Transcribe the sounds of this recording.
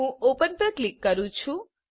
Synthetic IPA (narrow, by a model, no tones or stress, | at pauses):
ũopənpɾəklikːəɾũt͡ʃʰũ